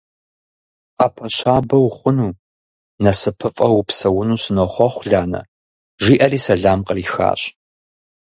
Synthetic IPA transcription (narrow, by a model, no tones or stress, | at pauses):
aːpʰɐɕʷʰaːbɐwχʷʊnuː | nɐsɨpʰɨfʼɐwupsɐwʊnuːsɨnɐχʷɔχʷɮaːnɐ̰ | ʒiːʔɐriːsɐɮaːmqəriːxa̰ːɕʼ